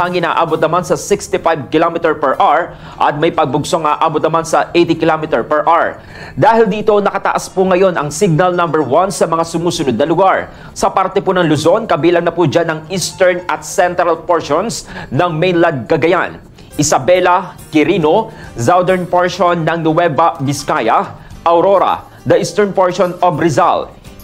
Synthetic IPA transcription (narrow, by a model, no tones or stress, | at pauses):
ɐŋɪna̰ːʔaːbot̪̚nɐmansɐsɪkst̪ɪfajb̚kɪlomɪt̪ɛɹpɛɹʔaɹ | ʔɐ̰t̪̚mɐjpɐɡ̚bʊɡsoŋʔaːʔaːbot̪̚nɐmansɐʔejt̪ɪkɪlomɪt̪ɛɹpɛɹʔaɹ | d̪aːhɪld̪iːt̪o̞nɐkɐt̪ɐ̰ʔaspʊŋɐjo̞nʔɐŋsɪɡ̚nɐlnɐmbɛɹwansɐmɐŋasʊmuːsʊnod̪nɐlʊɡaɹ | sɐpaɾt̪ɛpunɐŋlʊzo̞nkɐbiːlɐŋnɐpud͡ʒanɐŋist̪ɛɹnɐt̪̚sɛnt̪ɾɐlpoɹʃonsnɐŋmejnlɐd̪̚kɐɡɐja̰n | ʔɪsɐbɛlɐkɪɾiːnozawd̪ɛɹnpoɹʃonːɐŋnʊwɛbɐmɪskajɐʔɐwɾoɾɐ̰ | d̪ɐʔist̪ɛɹnpoɹʃonobɾɪza̰l